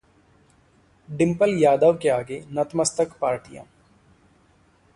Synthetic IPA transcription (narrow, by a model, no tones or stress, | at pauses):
ɖɪ̃mpəljaːd̪əʋkeaːɡenɐt̪məst̪əkpaːɾʈijã̰ː